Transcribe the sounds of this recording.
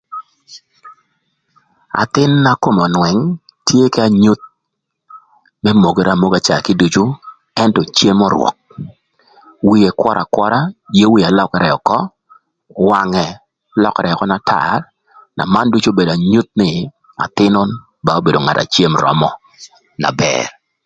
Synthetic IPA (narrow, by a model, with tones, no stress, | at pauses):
a̰˨t̪ɪ˦nːa˦ko˦˨mɔ˨nwɛ˨ŋ | tje˦kɛ˦a˦˨ɲu˦t̪̚ | mɛ˦mo˨ɡe˨ɾa˨mo˦ɡa˦t͡ʃa˨kɪ˦du˨t͡ʃo˦ | ɛ˦ntɔ˨t͡ʃe˦mɔ˦ɾwɔ̰˨k̚ | wi˦e˨kwɔ˦ɾʔa̰˨kwɔ˦ɾa˦je˦wi˦a˨lɔ˦kɛ˨ɾɛ˨ɔ˨kɔ˦ | wa˨˦ŋɛ˨ | lɔ˦kɛ˨ɾɛ˨ɔ˨kɔ˦na˨tʰa̰˨r | na̰˨ma˦ndu˦t͡ʃo˦be˨da˨ɲu˦t̪̚nɪ˦˨ | a̰˨t̪ɪ˦nʊ˦n | ba˦o˦be˨do˨ŋa̰˨ta̰˨t͡ʃe˦mɾɔ̰˦mɔ˦ | na̰˨bɛ̰r